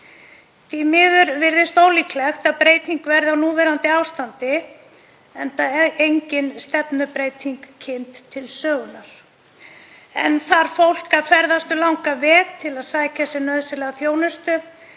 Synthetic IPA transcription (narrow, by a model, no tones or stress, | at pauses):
t̪imɪðʏɾvɪɾðɪst̪oːwlikʰlɛxt̪aðpɾeːjt̪iŋkvɛɾðawnuːvɛɾant̪ɪaːwvst̪ant̪ɪ | ɛnt̪aejɲcɪnst̪ɛpnʏpɾejt̪ʰiŋkʰːɪnt̪ʰːɪlsœːɣʏnaɾ̥ | ɛ̰nθaɾ̥fowl̥kafɛɾðast̪ʏlawŋkavɛːkt̪ʰɪlaðsaːjcasɛnœːðʏsɪlɛːɣaθjoːwnʏst̪ʏ